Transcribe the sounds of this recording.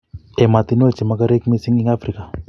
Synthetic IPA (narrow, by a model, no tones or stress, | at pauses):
emat̪inot͡ʃemakaɾek̚misiŋiŋafɾika